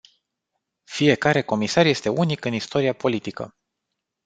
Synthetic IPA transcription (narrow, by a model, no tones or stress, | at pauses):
fije̞kaɾe̞ko̞misarje̞st̪e̞ʔunikɨnist̪o̞ɾiapo̞lit̪ikə̰